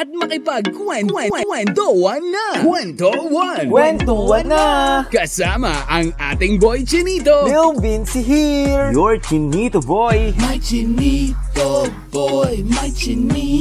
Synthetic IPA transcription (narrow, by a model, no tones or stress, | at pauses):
ʔɐt̪̚mɐkɪpaɡ̚kwɛnwɛɛwɛnt̪owɐnːɐkwɛnt̪owɐnwɛnt̪owɐnakɐsaːmɐʔɐŋa̰ːt̪ɪŋbojt͡ʃɪniːt̪oilbinsiɦiɹjɔɹt͡ʃɪnit̪obojmɐt͡ʃɪnit̪o | jmɐt͡ʃni